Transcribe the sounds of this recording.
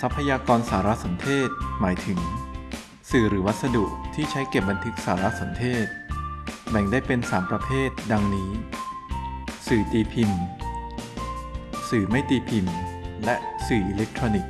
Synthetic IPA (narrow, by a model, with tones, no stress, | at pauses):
sa˦˥pʰːa˧jaː˧kɔː˧nsaː˩˦ɾa˦˥so˩˦nt̪ʰeː˥˩t̪̚maː˩˦jt̪ʰɯ˩˦ŋ | sɯː˨˩ɾɯː˩˦wa˦˥t̪̚sa˧du˨˩ʔ̚t̪ʰiː˥˩t͡ɕʰa˦˥jke˨˩p̚ba˧nt̪ʰɯ˦˥k̚saː˩˦ɾa˦˥so˩˦nt̪ʰeː˥˩t̪̚bɛ˨˩ŋdaː˥˩jpe˧nsaː˩˦mpɾa˧pʰeː˥˩t̪̚da˧ŋniː˦˥ | sɯː˨˩t̪iː˧pʰi˧n | sɯː˨˩ma˥˩jt̪iː˧pʰi˧nlɛ˦˥ʔsɯː˨˩ʔi˧le˦˥k̚t̪ʰɾoː˧ni˨˩k̚